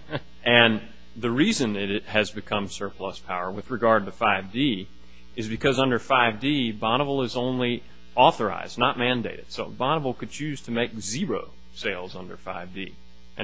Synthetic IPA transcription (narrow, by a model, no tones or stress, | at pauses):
ʔɨ̃n | ðɨɹizɨ̃nɪɾɪt̚hɨzbɨkʰʌ̃msɜ˞pʰl̥ʌspʰaʊə˞wɨðɹɨɡɑɹd̚tʰɨfaɪvdi | ɨzbɨkʰʌzʌ̃ndə˞faɪvdibɑnəvl̩ˠɨzõʊ̃nli | ɔθə˞a̰ɪz̥dⁿnət̚mæ̃ndeɪɾɨd̥soʊbɑñəvl̩ˠkɨd̚t͡ʃʰʉz̥tʰɨmeɪk̚ziɹoʊ | seɪlˠzʌ̃ndə̰˞fa̰ɪvdi | ʔɨ̃